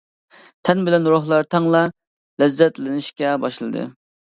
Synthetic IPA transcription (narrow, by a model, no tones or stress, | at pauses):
t̪ʰɛnbɪlɛnɾoɦlˠɑɾt̪ʰɑŋlˠɑ | lɛzːɛt̪lɪnɪʃkʲɛbɑʃlˠɨd̪ɨ̰